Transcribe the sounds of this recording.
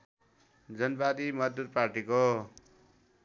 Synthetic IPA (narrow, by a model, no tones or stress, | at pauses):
d͡zʌnbad̪imʌd͡zd̪ud̪̚parʈiko